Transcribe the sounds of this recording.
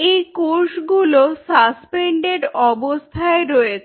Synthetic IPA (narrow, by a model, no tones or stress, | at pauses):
ejkoɾʃɡulosaspeɳɖeɖɔbost̪ʰaeɾɔjet͡ɕʰ